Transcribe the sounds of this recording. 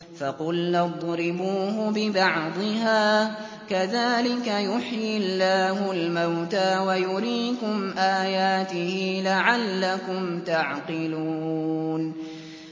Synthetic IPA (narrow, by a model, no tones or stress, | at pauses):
fɑqʊlːɑd̪ˤɾɪbuːɦʊbɪbɑʕd̪ˤɪɦaː | kaðaːlɪkajʊħjɪlːaːhʊlmawt̪aːwajʊɾiːkʊmʔaːjaːt̪ɪhɪlaʕalːakʊmt̪aʕqɪluːn